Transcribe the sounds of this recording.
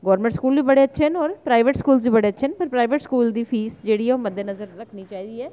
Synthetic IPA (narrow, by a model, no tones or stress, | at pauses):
ɡɔːɾmẽɳʈskuːlbiːbəɽeːətːʃʰeːnɔːɾpɾaːɪʋeʈskuːlsbiːbəɽeːətːʃʰeːnpəɾpɾaːɪʋeʈskuːld̪iːpʰiːsd͡ʒeːɽiːɦɛoməd̪ːeːnəzəɾːəkʰniːt͡ʃaːiːd̪iːɛː